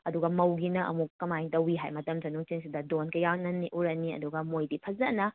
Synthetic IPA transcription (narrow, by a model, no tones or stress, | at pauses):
ɐduɡɐmɐwɡinɐʔɐ̰mukːɐmajtɐwiɦa̰jmɐtɐmsʰɐnuŋt͡ʃiŋsidɐdonkɐjaŋnɐnːiʔuɾɐniɐ̰duɡɐmojdipʰɐzɐnɐ